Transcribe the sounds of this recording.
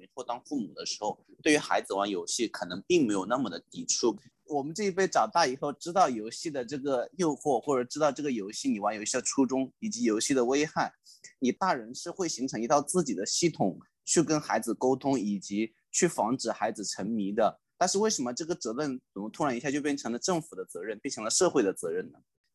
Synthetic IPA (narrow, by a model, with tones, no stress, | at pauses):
me˧˥ɪt͡swo˥˧t̪ɑ˥ŋfu˥˩mu˨˩d̪ə˦ʂɻ̩˧˥xo˥˧ʊt̪we˥˩y˧˥xa̰˧˥ɪd͡zɹ̩˧wa˧˥njo˧˥ʊɕi˥˩kʰɤ˨˩nɤ˧˥ŋpi˥˩ŋme˧˥ɪjo˨˩ʊna˥˩mə˨˩d̪ə˩t̪i˨˩ʈ͡ʂʰu˥˩ | wɔ˨˩mə˦nʈ͡ʂɤ˥˧i˥˩pe˥˩ɪʈ͡ʂɑ˨˩ʊt̪ɑ˥˩i˨˩xo˥˩ʊʈ͡ʂɻ̩˥t̪ɑ˥˩ʊjo˧˥ʊɕi˥˩d̪ə˩ʈ͡ʂɤ˥˩ɡə˩jo˥˧ʊxwɔ˥˩xwɔ˥˩ʈ͡ʂɤ˨˩˥ʈ͡ʂɻ̩˥t̪ɑ˥˧ʊʈ͡ʂɤ˥˩ɡə˩jo˧˥ʊɕi˥˩ni˨˩wa˧˥njo˧ʊɕi˥˩d̪ə˩ʈ͡ʂʰu˥ʈ͡ʂʊ˥ŋi˨˩t͡ɕi˧˥jo˧˥ʊɕi˥˩d̪ə˩we˥ɪxa˥˩ɪ | ni˨˩t̪a˥˩ɻə˧˥nʂɻ̩˥˧xwe˥˩ɪɕi˧˥ŋʈ͡ʂʰɤ˧˥ŋi˧˥t̪ɑ˥˧ʊt͡sɹ̩˥˩t͡ɕi˨˩d̪ə˦ɕi˥˩t̪ʰʊ˨˩ŋ | t͡ɕʰy˥˩kə˥nxa˧˥ɪd͡zɹ̩˨˩ko˥ʊt̪ʰʊ˥ŋi˨˩t͡ɕi˧˥ | t͡ɕʰy˥˩fɑ˧˥ŋʈ͡ʂɻ̩˨˩xa˧˥ɪd͡zɹ̩˨˩ʈ͡ʂʰə˧˥nmi˧˥d̪ə˧ | t̪a˥˧nʂɻ̩˥˧we˥˩ɪʂə˧˥nmə˧ʈ͡ʂɤ˥˩ɡə˩t͡sɤ˧˥ɻə˥˩nə˨˩˧t̪ʰʊ˥ɻa˧˥ni˧˥ɕja˥˧t͡ɕjo˥˧ʊpjɛ˥nʈ͡ʂʰɤ˧˥ŋlə˧ʈ͡ʂɤ˥˩ŋfu˨˩d̪ə˦t͡sɤ˧˥ɻə˥˧npjnʰʈ͡ʂʰɤ˧˥ŋlə˧ʂɤ˥˧xwe˥˩ɪd̪ə˩t͡sɤ˧˥ɻə˥˩nnə˩